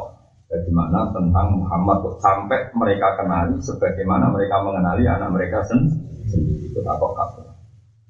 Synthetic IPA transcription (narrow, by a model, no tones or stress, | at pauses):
daɡimanat̪ənt̪aŋmuɦamat̪̚usampɛʔməɾekakənalisəbaɡɛjmanaməɾekaməŋənalia̰naʔ̚məɾekasənsəndiɾiːt̪ut̪a̰pɔʔka̰pə